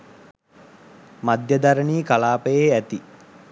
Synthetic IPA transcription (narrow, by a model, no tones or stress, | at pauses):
mad̪jəd̪aɾəniːkalaːpəjeæt̪i